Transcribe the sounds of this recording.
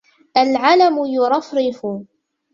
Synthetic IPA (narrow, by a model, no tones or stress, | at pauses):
ʔalʕalamʊjʊɾˤɑfɾɪfʊ